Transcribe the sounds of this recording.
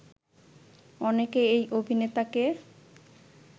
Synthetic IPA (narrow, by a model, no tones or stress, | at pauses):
ɔnekeejʔobʱinet̪ake